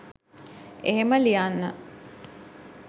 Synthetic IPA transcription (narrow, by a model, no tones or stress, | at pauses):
eɦeməlijanːə